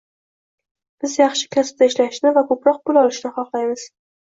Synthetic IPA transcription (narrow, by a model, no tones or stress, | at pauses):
b̥ɪzjɑχʃɪ̥kʰʲasɪ̥p̚t̪aɪʃlaʃnɪvakʰɵpɾɒq̚bʊlˠɒlɪʃnɪχɒqlˠajmɪz̥